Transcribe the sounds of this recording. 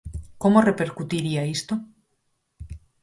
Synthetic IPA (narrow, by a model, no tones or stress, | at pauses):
komorepe̞ɾkut̪iɾiaist̪o